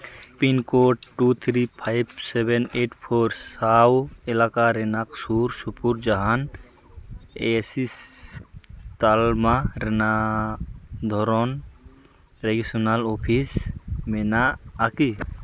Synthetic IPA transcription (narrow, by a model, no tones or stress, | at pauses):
pinkoʈʈːut̪ʰɾipʰajbsebeneʈʰpʰoɾsawelaːkaɾenaksuɾsupuɾd͡ʒaɦan | esis | t̪almaɾena | d̪ʱɔɾɔn | ɾeɡisunalopʰismenaːki